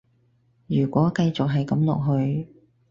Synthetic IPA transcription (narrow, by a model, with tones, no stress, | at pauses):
jyː˨˩kʷɔː˨˥kɐ˧jt͡sʊ˨k̚ɦɐ˨jkɐ˨˥mlɔ̰ː˨k̚ɦɵ˧ɥ